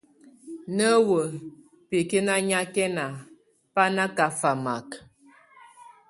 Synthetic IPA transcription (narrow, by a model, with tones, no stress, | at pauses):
nə˦wə˨ | pe˨ke˦na˦ɲa˦kɛ˦na˨ | pa˦na˦ka˨fa˨ma˨k